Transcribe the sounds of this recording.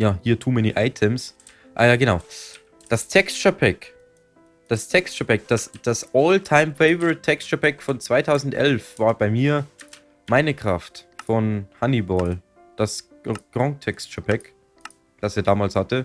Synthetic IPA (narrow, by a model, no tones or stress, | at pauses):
jaːhiːɐtʰuːminḭʔa̰ɪtʰəms | ʔa̰ːjaːɡənaʊ | d̥astʰɛksʃəpʰɛk | d̥astʰɛkstʃəpɛk̚d̥asd̥asʔɔːltʰaɪmfɛɪvəʁɪtʰːɛkst͡ʃɐpɛkfɔnt͡sv̥aɪtʰaʊzn̩tʔɛ̰lfv̥aːɐbaɪmiːɐ | maɪnəkʁ̥aftfɔnhanibɔːl | d̥as | ɡ̥ʁɔŋtʰɛkstt͡ʃəpʰɛk | d̥aseːɐdaːmaːlshatə